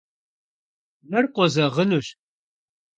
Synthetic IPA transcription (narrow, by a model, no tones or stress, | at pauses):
mɐrqʷʼɔzɐʁənuɕ